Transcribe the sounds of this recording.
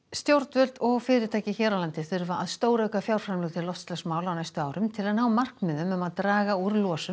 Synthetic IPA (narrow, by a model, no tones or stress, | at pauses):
st̪jowɾt̪vœlt̪ɔɣfɪːɾɪt̪ʰaːjcɪçɛːɾalant̪ɪθʏɾvaaðst̪oːwɾœkafjawɾ̥fɾamlœɣt̪ʰɪlɔft̪st̪lɛsmaːwlawnajst̪ʏaːwɾʏmt̪ʰɪlaðnaːwmar̥kmɪðʏmœmaðt̪ɾaːɣauɾlɔːsʏ